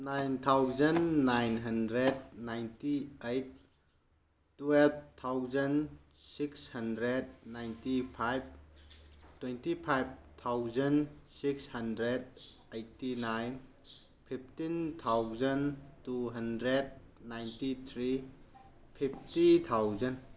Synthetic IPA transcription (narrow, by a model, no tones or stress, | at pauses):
najnt̪ʰawzɐnːajnɦɐndɾed̚najntiejt̚ | wɛlb̚t̪ʰawzən | sikshɐndɾed̚najntipʰajb̚ | twentipʰajb̚t̪ʰawzɐnsikshɐndɾed̚ | ejtinajn | pʰip̚ʰtint̪ʰawzəntuɦɐndɾed̚ | najntit̪ʰɾi | pʰip̚ʰtit̪ʰawzɐn